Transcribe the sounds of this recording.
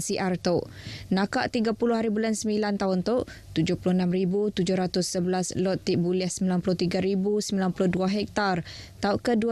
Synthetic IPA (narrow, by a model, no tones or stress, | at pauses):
siʔart̪oʔnãkaʔt̪iɡapulʊɦaɾibulansəmbilant̪aɦʊnt̪oʔt̪ud͡ʒʊhpulʊhənãmribut̪ud͡ʒʊhɾat̪ʊsːəbəlaslɔt̪ːiʔ̚buliahsəmbilanpulʊht̪iɡaɾibusəmbilanpulʊhduaɦɛk̚t̪art̪aʊʔkədu